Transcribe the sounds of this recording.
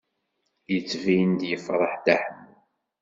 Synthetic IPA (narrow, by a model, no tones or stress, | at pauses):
jət͡sːviənd̪jəfɾˤɑħd̪æħəmː